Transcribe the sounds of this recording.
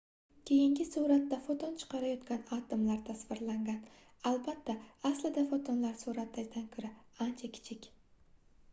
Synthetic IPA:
kʲʰe̞jɪŋɡʲɪsuɾat̪ːafot̪ʰont͡ʃʰɨ̥qɑɾajɒt̪kʲanɑt̪ɪmlaɾt̪ʰasvɪɾlaŋɡʲan | albat̪ːaaslɪd̪afot̪ʰonlaɾsuɾat̪ːaɡʲd̪ankʰɵɾaant͡ʃʰakʲʰɪ̥t͡ʃʰɪkʲ

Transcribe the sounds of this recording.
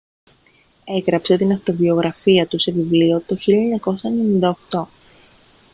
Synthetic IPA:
e̞ɣɾɐpse̞t̪inɐft̪o̞vio̞ɣɾɐfiɐt̪use̞vivlio̞t̪o̞çilʎɐɲɐko̞sɐenenind̪ɐoxt̪o̞

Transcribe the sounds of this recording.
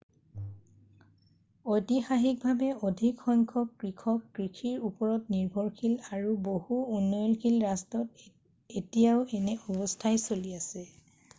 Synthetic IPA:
ojtixaɦik̚bʱabɛodʱikxɔŋkʰɔkːɹikʰɔkːɹikʰiɹupɔɹɔtniɹbʱɔɹkʰilaɹubohuːnːɔjɔlkʰilɹastɔt | etijaʊɛnɛɔbɔstʰajsoliasɛ

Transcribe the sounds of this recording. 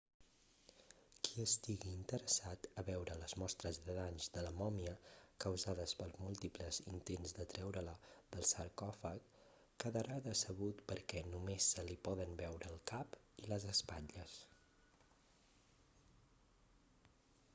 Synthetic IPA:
kʰiəst̪iɣiːnt̪əɾəsat̪əβɛwɾələzmɔst̪ɾəzðəðanzðələmɔmiəkəwzaðəspəlˠzmulˠt̪ipləzint̪enzd̪ət̪ɾɛwɾələðəlˠsəɾkɔfəkː | əðəɾaðəsəβut̪pəɾkɛnumesːəlipɔðənbɛwɾəːlˠkap | iləzəspaʎəs

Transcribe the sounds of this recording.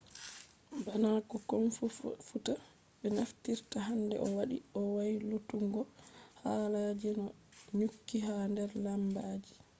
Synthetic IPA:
banakɔkɔnfuta | ɓɛnaftiɾtaɦandɛ̰ʔɔwaɗḭɔwajilutuŋɡɔhaːlad͡ʒinɔɲukːiɦandɛɾlambaːd͡ʒi

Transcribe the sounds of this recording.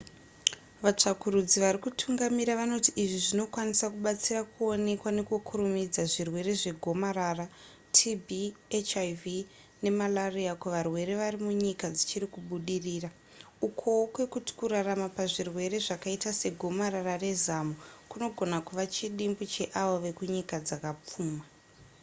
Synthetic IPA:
ʋat͡ʂakuɾud͡ziʋaɾikutʰuŋɡamiɾaʋano̞tiʔiʐiʐino̞kwanisakuɓat͡sirakʰuo̞ne̞kwane̞kukʰurumid͡zaʐirwe̞ɾe̞ʐe̞ɡʱo̞maɾara | tʰibʱiet͡ʃaivi | ne̞malariakweʋarwe̞ɾe̞ʋarimuɲikad͡zit͡ʃiɾikuɓuɗiriːra | ukʰo̞wkwe̞kuti̥kuɾaramapaʐirwe̞ɾe̞ʐakaitase̞ɡʱo̞maɾarare̞zamukuno̞ɡʱo̞nakuʋat͡ʃiɗimbut͡ʃe̞ʔaʋoʋe̞kuɲikad͡zakap͡fuːma

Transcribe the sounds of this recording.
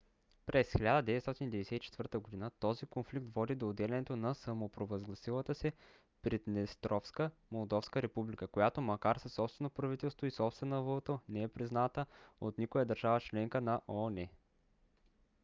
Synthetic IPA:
pɾɛsxilʲad̪əd̪ɛvɛt̪st̪ɔt̪inid̪ɛvɛd̪ɛsɛt̪it͡ʃɛ̥t̪vɤɾt̪əɡod̪inət̪ɔzikonflik̚t̪vɔd̪id̪oːd̪ɛlʲɛnɛt̪onɐsəmopɾovɐzɡlˠɐsilˠət̪əsɛ | pɾit̪nɛst̪ɾɔfskəmolˠd̪ɔfskəɾɛpublikəkojat̪omɐkaɾsəsːɔpst̪vɛnopɾɐvit̪ɛlˠst̪voisɔpst̪vɛnovot̪onɛɛpɾiznat̪əot̪nikojəd̪əɾʒavət͡ʃlɛŋkənɐʔɔnɛ

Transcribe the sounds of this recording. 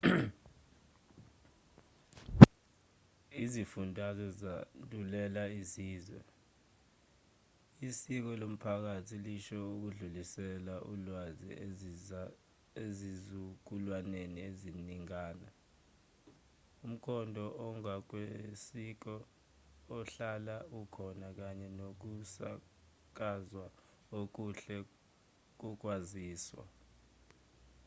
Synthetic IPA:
izifundʱazɔzatʼulɛlaisiːzwɛ̰ | isik̬ɔlom̩pʰak̬atʰiliʃɔuk̬uɮulisɛlaʔulwazḭ | ezizuk̬ulwanenieziniŋaːna | um̩kʰɔndʱɔʔɔŋak̬wesik̬ɔː | ɬalaukʰɔnak̬aɲɛnok̬usa̰ | k̬azwa | ok̬uɬɛ | k̬uk̬waziːswa̰

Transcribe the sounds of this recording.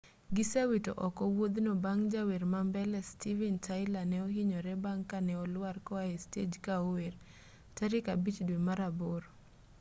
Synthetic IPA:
ɡɪsawito̰ʔɔkɔwod̪nobaŋd͡ʒaweɾmambɛlɛstivɛntʰaɪlanɛɔɦiɲɔɾɛbaŋkanɛɔlwarkɔaested͡ʒkaoweɾ | taɾɪkabit͡ʃdwemaɾaboɾ

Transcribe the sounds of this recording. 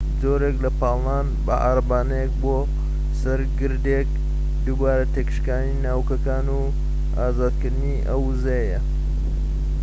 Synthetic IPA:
zoːɾeklɐpɑːlˠnaːn | bɐ̰ʔa̰ɾɐbaːnɐjek̚bo | sɐɾɡɨɾd̪ek̚ | d̪ubaːɾɐt̪ʰekʃkaːninaːwkɐkaːnu | aːzaːd̪̚kɨɾd̪ɨniʔɐwzejejɐ

